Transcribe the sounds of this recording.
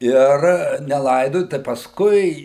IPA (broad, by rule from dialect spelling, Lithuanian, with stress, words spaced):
ˈɪr nʲɛˈlˠɐɪdoːjʊ tɐɪ pɐsˈkʊɪ